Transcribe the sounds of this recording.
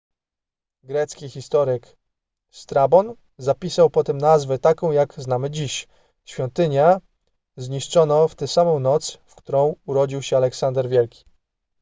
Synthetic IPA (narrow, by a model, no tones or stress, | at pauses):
ɡɾɛt̪skʲixʲist̪ɔɾɘk | st̪ɾabɔn | zapʲisawpɔt̪ɛmnazvɛt̪akɔ̃w̃jaɡznamɘd͡ʑiɕ | ɕfʲjɔnt̪ɘɲa | zɲiʂt͡ʂɔnɔft̪ɛsamɔ̃w̃nɔt̪sfkt̪uɾɔ̃w̃uɾɔd͡ʑiwɕɛalɛksand̪ɛɾvʲjɛlkʲi̥